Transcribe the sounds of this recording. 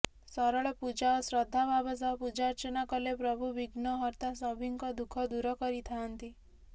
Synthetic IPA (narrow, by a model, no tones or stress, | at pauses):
sɔɾɔɭɔpud͡ʒaɔsɾɔd̪ʱːabʱabɔsaɔpud͡ʒaɾt͡ʃɔnakɔlepɾɔbʱubiɡnɔɦɔɾt̪asɔbʱiŋkɔd̪ukʰɔd̪uɾɔkɔɾit̪ʰaɦant̪i